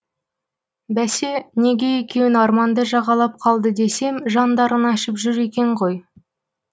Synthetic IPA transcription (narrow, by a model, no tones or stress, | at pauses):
bæse̞ne̞ɡʲe̞jekʲe̞wɪnɑɾmɑnd̪əʒɑʁɑlˠɑp̚qʰɑlˠd̪əd̪e̞se̞mʒɑnd̪ɑɾənɑʃəpʒʏɾe̞kʲe̞ɴʁo̞j